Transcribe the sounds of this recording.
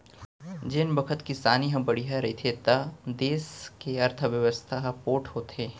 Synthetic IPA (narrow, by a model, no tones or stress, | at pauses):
d͡ʒɪnbɐkʰət̪kisaːniɦɐ̃bɐɽiɦaɾɐit̪ʰet̪ad̪eːskeɐɾt̪ʰəʋjɐʋəst̪ʰaɦpoːʈʰhoːt̪eː